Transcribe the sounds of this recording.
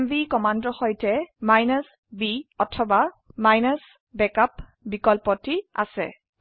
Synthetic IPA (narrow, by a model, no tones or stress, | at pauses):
mvikɔmandɔxɔjtɛmajnas | biɔtʰɔba | majnas | bɛkap | bikɔlpɔtia̰sɛ̰